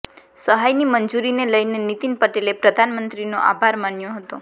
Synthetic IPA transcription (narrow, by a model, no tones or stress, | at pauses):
səɦajnimənd͡ʒuɾineləjnenit̪inpəʈelepɾəd̪ʱanmənt̪ɾino̰ʔa̰bʱaɾmanjoɦət̪o